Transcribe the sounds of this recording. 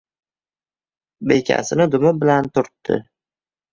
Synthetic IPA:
be̞jkʲʰa̰sɪnɪd̪ʊmɪbɪlant̪ʰʊɾt̪ːɪ̰

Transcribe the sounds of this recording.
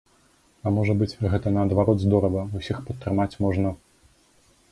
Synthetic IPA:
ɐmɔʐɐbɨt͡sʲɣɛt̪ɐnɐːd̪vaɾɔd̪zd̪ɔɾɐvɐusʲixpɐt̪ːɾɨmat͡sʲmɔʐnɐ

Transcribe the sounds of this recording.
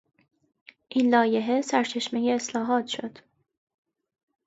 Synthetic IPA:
ʔiːnlɒːje̞ɦe̞sæɾt͡ʃʰe̞ʃme̞je̞ːslɒːɦɒːt̪ʃod̪̥

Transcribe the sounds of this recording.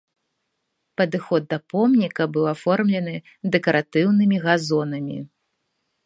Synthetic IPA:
pɐd̪ɨxɔd̪̚d̪ɐpɔmnʲikɐbɨwafɔrmlʲɛnɨ | d̪ɛkɐɾʔat̪ɨwnɨmʲiɣazɔnɐmʲḭ

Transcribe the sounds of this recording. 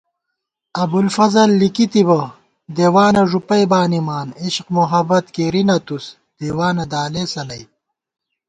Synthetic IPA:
ɐbulfɐzɐlːikit̪ibɐ | d̪eːwaːnɐʐupɐjbaːnimaːniɕqmuɦɐbɐt̪keːɾinɐt̪us | d̪̥eːwaːnɐd̪aːleːsɐlɐj

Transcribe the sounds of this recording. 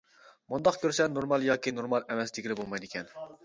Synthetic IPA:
mund̪ɑqkʲʰøɾsɛnoɾmɑlˠjɑːkʲinoɾmɑlˠɛmɛsd̪ɪkʲilɪbolˠmɑjd̪ɪkʲʰɛn

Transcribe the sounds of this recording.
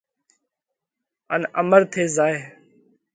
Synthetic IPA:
ə̰nə̰məɾt̪ʰeːzaːeː

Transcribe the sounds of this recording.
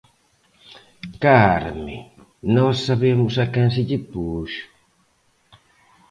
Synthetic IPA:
kaɾmḛ̃ | nɔsːaβemʊsakãnsɪʎɪpuʃ

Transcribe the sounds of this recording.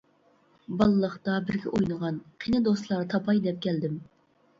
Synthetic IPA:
bɑlˠɨlˠəχt̪ɑbɪɾɡʲɛ̰ʔojnəʁɑnqʰinɨd̪oslˠɑɾt̪ʰɑpʰɑjd̪ɛp̚kʲʰɛld̪ɪm

